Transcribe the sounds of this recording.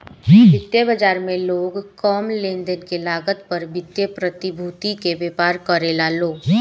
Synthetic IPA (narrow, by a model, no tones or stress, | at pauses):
bɪt̪jebəd͡ʒaːɾmẽloːɡkɔːmlẽːnd̪ənkelaːɡət̪pəɾbɪt̪jepɾət̪ɪbʱuːt̪ikeʋeːpaːɾkəɾelaːloː